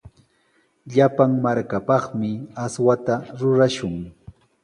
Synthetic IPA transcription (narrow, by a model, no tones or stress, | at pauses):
ʎapaŋmaɾkapɑχmɪaswat̪aɾʊɾaʃʊŋ